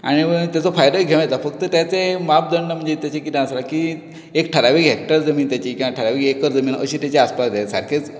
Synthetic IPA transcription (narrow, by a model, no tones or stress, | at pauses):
a̰ɽ̃iət̪jat͡sɔfajd̪əɡʱeʋãjt̪afək̚t̪ət̪jat͡semap̚d̪əɳɖəm̤əɳnd͡zet̪jat͡ɕekit̪ẽəslaki | ekʈʰəɾaʋiɡɦek̚ʈəɾd͡zəmiːnt̪jat͡ɕikĩw̃ʋaʈʰəɾaʋiːɡɦekəɾd͡zəmiːnəɕiːt̪jat͡ɕeaspasd̪esa̰ɾkʰet͡s